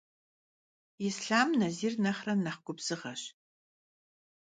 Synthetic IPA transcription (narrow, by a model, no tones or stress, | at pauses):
isɬaːmnɐziːrnɐχrɐnnɐχɡʷʊbz̥ɨʁɐɕ